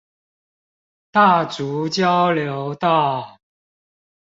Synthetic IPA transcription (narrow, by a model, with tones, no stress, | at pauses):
t̪a˥˩t͡su˨˦t͡ɕjɑ˦˥ʊljo˨˦ʊt̪a˥˩